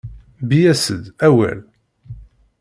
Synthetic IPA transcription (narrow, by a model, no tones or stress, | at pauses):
bijæsəd̪æwæ̰l